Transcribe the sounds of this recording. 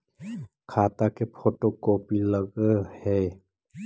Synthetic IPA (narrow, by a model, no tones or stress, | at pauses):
kʰaːt̪akepʰoːʈokoːpiləɡhɛː